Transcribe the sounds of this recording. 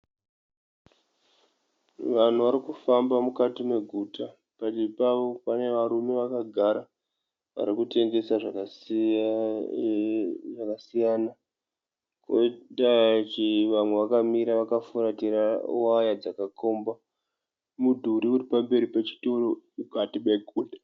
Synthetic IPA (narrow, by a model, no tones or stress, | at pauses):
ʋan̤uʋaɾikufambamukatime̞ɡʱuːta | pat͡ʃepaʋopane̞ʋaɾume̞ʋakaɡʱaɾa | ʋa̰ɾikute̞ŋɡe̞saʐak | ʐakasijaːna | koitat͡ʃiʋamwe̞ʋakamiɾaʋakafuɾatiɾaṵajad͡zakakʰo̞mba | mudʱuɾikutipambe̞ɾipet͡ʃi̥toromukatiɓeɡʱuːda